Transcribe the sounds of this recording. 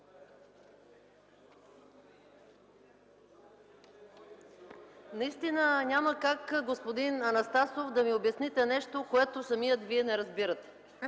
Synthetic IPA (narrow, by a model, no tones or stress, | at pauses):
nɐist̪inənʲaməkakɡospod̪inɐnɐst̪asofd̪ɐmiobjɐsnit̪ɛnɛʃt̪okoɛt̪osɐmijət̪viɛnɛɾɐzbiɾət̪ɛ̥